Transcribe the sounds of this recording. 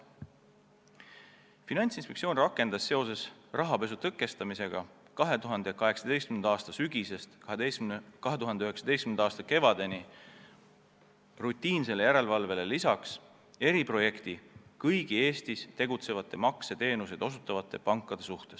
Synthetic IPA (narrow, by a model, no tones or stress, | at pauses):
finɑnʲt̪sinspek̚sio̞ːnrɑkːˑe̞nd̪̥ɑsːe̞o̞se̞srɑɦɑpe̞sut̪ɤkːˑe̞st̪ɑmise̞ɡ̥ɑ | kɑɦe̞t̪uɦɑnd̪ekɑɦe̞ksɑd̪e̞jst̪kymend̪ɑɑːst̪ɑsyɡ̥ise̞st̪ɑɦeekɑɦe̞t̪uɦɑnd̪eyɦe̞ksɑd̪e̞jst̪kmend̪ɑɑːst̪ɑke̞vɑd̪̥e̞ni | rut̪ʲːˑiːnse̞lejæɾe̞lvɑlve̞le̞lisɑks | e̞ɾipro̞je̞kt̪ikɤjɡ̥ie̞ːst̪ist̪e̞ɡut̪se̞vɑt̪ːˑe̞mɑkset̪e̞ːnused̪o̞sut̪ːˑɑvɑt̪ˑːe̞pɑŋkːˑɑd̪̥e̞suht̪e̞s